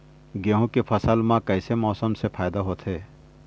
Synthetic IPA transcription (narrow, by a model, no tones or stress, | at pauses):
ɡeɦũkepʰɐsəlmãkɐɪsemɔːsəmsepʰaːjd̪aɦoːt̪ʰɦeː